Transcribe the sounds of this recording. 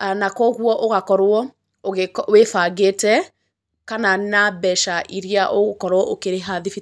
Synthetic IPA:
anakɔɣwɔʔoɣakɔɾwɔ | oɣwefaɣetɛ | kananabɛʃaʔiɾiaʔoɣokɔɾwɔʔokeɾeɦaðifi

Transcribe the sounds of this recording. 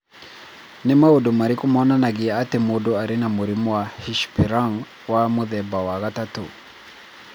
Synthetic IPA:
nɛmaudumaɾikumɔnanaɣiaatɛmudɔaɾinamuɾimuwahiʃpiɾaŋ | wamuðɛbawaɣatatṵ

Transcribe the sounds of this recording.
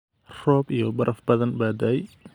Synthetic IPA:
rɔːbijɔbɐɾʔɐfbɐðɐnbaːd̪ɐɛj

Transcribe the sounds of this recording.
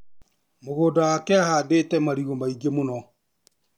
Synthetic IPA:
moɣoːdawakɛahaːdeːtɛmaɾiɣomaiɡemonɔ

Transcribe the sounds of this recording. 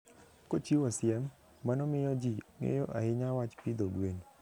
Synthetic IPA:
kot͡ʃiwasɪɛmː | anɔmɪjɔd͡ʒiŋḛjɔʔa̰ɪɲawat͡ʃpid̪oɡweɲ

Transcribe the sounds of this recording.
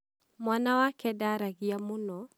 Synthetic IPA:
mwanawakɛdaɾaɣiamunɔ

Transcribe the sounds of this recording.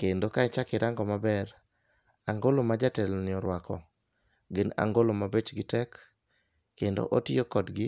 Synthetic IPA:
kendokaɪt͡ʃakɪɾʔaŋɡɔmabɛr | aŋɡolomad͡ʒatɛlnɪɔɾwakɔ̰ | ɡɪna̰ŋɡolomabet͡ʃɡɪtɛkː | endo̰ʔotɪokɔdɡɪ

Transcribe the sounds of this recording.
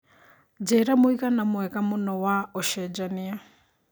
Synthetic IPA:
d͡ʒɛɾamuikanamʊɛkamunɔwaɔʃɛd͡ʒania

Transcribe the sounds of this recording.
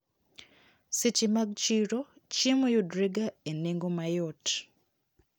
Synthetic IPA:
sit͡ʃimaɡt͡ʃiɾot͡ʃimujudɾiɡaeneŋɡomajot

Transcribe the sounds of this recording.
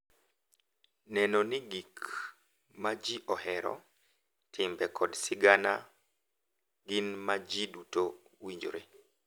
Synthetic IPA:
nɛnɔnɪɡik | mad͡ʒiʔɔhɛɾɔ̰ | tʰɪmbɛkʰɔdsɪɡana̰ | ɡɪnmad͡ʒiduto | wiɲd͡ʒo̰ɾe

